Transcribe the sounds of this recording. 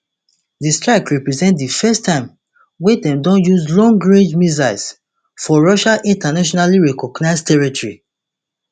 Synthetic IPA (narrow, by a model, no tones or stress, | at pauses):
distɹaɪkɹɛpɹɛzɛ̃ntdifɛstʰãɪ̃m | wedɛ̃mdɔ̃njuzlɔ̃ŋɡɹẽd͡ʒmizaɪs | fɔɹɔʃaʔĩntanaʃ̬ɔnaliɹɛkɔɡnaɪstʰɛɹitɔɹi